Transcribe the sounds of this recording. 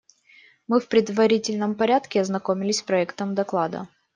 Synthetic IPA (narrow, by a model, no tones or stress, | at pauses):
mɨfpɾʲɪd̪vɐɾʲitʲɪlʲnəmpɐɾʲat̪kʲɪɐznɐkomʲɪlʲɪsʲspɾɐɛkt̪əmd̪ɐklˠad̪ə̰